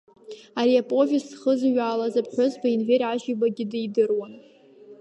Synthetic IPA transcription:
aɾiapʼo̞vʲisːχəzɥaːlazapʰħʷʊzbainveɾʕaʒibaɡʲɪdijdɨrwan

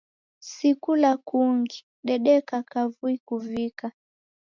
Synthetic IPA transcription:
sikulakuŋɡi | ɗɛɗɛkakavuikuvika

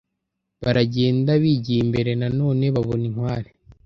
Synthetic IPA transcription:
βaɾaɟe̞ːndaβiɟiimbe̞ɾe̞nano̞ːne̞βaβoniŋ̥waːɾe

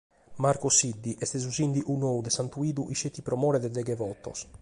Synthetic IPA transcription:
maɾkɔsid̪ːiʔɛst̪ɛz̬uzind̪iʔunoud̪ɛsant̪uiːd̪uʔiʃet̪ːipɾɔmɔːɾɛd̪ɛd̪ɛɡɛvɔt̪ːɔ̰s

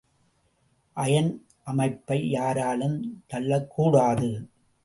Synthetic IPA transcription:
ʔɐjɐn | ʔɐmɐɪpːɐɪjaːɾaːlɯmt̪ɐlːɐkʰːuːɽaːðɯ

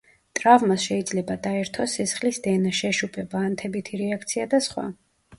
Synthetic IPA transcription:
t̪ʼɾavmasʃɛid̪zlɛbad̪aɛɾt̪ʰɔsːisχlisd̪ɛnaʃɛʃupʼɛbaːnt̪ʰɛbit̪ʰiɾɛakʰt̪sʰiad̪asχwa̰

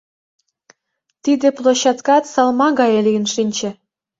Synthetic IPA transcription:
t̪id̪ĕplˠoɕɑt̪kɑt̪sɑlˠmɑɡɑjelʲiənʃinʲt͡ɕĕ

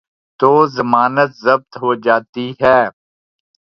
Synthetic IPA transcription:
t̪oːzəmaːnət̪zəb̚t̪ɦoːd͡ʒaːt̪iɦɛː

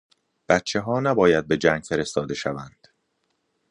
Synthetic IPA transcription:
b̥æt̪t͡ʃʰe̞ɦɒːnæbɒːjæd̪̚be̞d͡ʒæŋɡ̥fe̞ɾe̞st̪ɒːd̪e̞ʃævænd̪̥

